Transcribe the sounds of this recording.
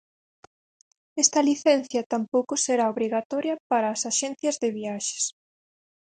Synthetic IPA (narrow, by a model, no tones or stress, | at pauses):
ɛst̪ɐliθɛn̟θjɐt̪ampowkʊseɾaoβɾiɣat̪ɔɾjɐpaɾaːsaʃɛn̟θjɐzðɪβiaʃe̥s